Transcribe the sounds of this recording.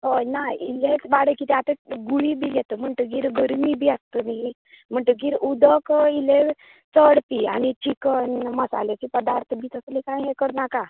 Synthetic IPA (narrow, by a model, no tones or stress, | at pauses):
ɦojnaḭlet͡sbaɽəkit̪ɛ̃at̪ə̃ɡuɭibʱiɡɛt̪əm̤əɳʈ̪əɡiːɾɡəɾmibʱiːast̪ənaɦi | m̤əɳʈ̪əɡiːɾud̪ʱəkile | t͡səɽpia̰ñit͡ɕikənməsa̰let͡ɕipəd̪aɾt̪ʰbiːt̪əslikãjɦɛkəɾnaka